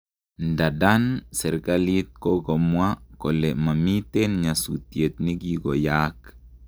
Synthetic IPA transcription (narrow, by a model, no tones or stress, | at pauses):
ndadansɛɾkalit̪̚koɡomwakɔlɛmamit̪enɲasut̪iet̪niɡiɡojak